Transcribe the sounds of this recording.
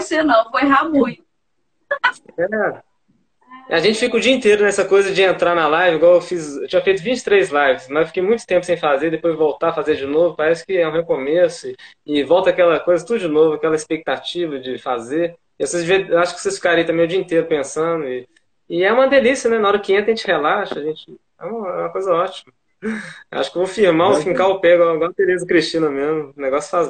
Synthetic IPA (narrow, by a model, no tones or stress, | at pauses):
senɐ̃w̃fojɦamuj | ɛɛ | aʒẽnt͡ʃɪ̥fikʊd͡ʒiɐĩnt̪eɾʊnɛsɐkojzɐd͡ʒɪẽnt̪ɾanɐlajvɪĩɡɔɾewfizewt͡ʃĩɲɐfejt̪ʊvĩt͡ʃɪ̥t̪ɾejzlajvɪsmɐzewfi̥kejmũj̃t̪ʊ̥t̪ẽmpʊ̥sẽj̃fazeɾd̪epojzvowt̪afazeɾd͡ʒɪnovʊpaɾɛsɪ̥kɪɛũhekomesʊɪː | vɔwˠt̪ɐakɛlɐkojzɐt̪ud̪ʊd͡ʒɪnovʊakɛlɐispek̚t̪at͡ʃivɐd͡ʒɪfazeɾ | ɪvosezd͡ʒɪviaʃʊkɪ̥vosesfi̥kaɾẽit̪ɐ̃mẽj̃ʊd͡ʒiɐĩnt̪eɾʊpẽsɐ̃d̪ʊɪː | ɛũmɐd̪elisjɐnɛnɐɔɾɐkɪẽt̪ɐʒẽt͡ʃɪhelaʃɐɐʒẽt͡ʃɪ | ɛ̰ũmɐɛ̰ũmɐkojzɐɔt͡ʃimɐ | wa̰ʃʊ̥kevofiɾmãfĩkaʊpɛɡwawɡwawt̪eɾezʊkɾiʃt͡ʃĩnɐmezmʊneɡɔsjʊ̥faz